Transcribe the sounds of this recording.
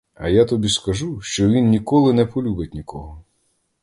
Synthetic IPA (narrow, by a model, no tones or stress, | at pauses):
ɐ̰jat̪ɔbʲiskɐʒuʃt͡ʃɔʋʲinːʲikɔlˠɪnɛpɔlʲubɪt̚ʲnʲikɔɦɔ